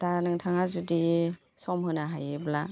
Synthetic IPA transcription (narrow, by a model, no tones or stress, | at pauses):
tanɯŋtʰaŋazudi | sɔmhɯnaɦajɯbla